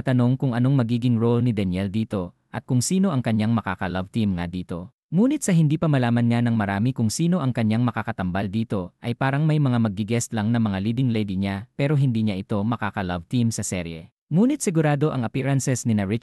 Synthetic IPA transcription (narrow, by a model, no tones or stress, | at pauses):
t̪ɐno̞ŋkʊŋʔɐno̞ŋmɐɡiːɡɪŋɹolnɪd̪ɛnjɛld̪iːt̪o̞ | ʔɐt̪̚kʊŋsiːno̞ʔɐŋkɐɲːaŋmɐkaːkɐlɐvt̪imŋa̰d̪iːt̪o̞ | muːnɪt̪̚sɐɦɪnd̪iːpɐmɐlaːmɐnɲanɐŋmɐɾaːmɪkʊŋsiːno̞ʔɐŋkɐɲaŋmɐkakɐt̪ɐmbald̪iːt̪o̞ʔɐjpaːɾɐŋmɐjmɐŋamɐɡ̚ːɪɡɛst̪lɐŋnɐŋmɐŋaliːd̪ɪŋlɛjd̪iɲapɛːɾo̞ɦɪnd̪iːɲaʔɪt̪o̞mɐkaːkɐlɐvt̪imsɐsɛɾjɛ̰ | muːnɪt̪̚sɪɡʊɾaːd̪o̞ʔɐŋɐpɛɾɐnsɛsnɪnaɹɪ